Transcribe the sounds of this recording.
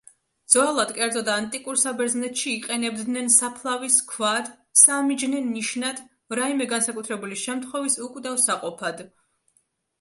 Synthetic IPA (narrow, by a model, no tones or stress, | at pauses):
d̪z̥walˠad̪kʼɛɾd̪zɔd̪aːnt̪ʼikʼuɾsabɛɾznɛt̪ʃiːqʼɛnɛbd̪nɛnsapʰlˠaviskʰvad̪̥ | samid͡ʒnɛnːiʃnad̪̥ | ɾaimɛɡansakʼut̪ʰɾɛbuliʃɛmt̪ʰχwɔvisukʼd̪avsaqʼɔpʰad̪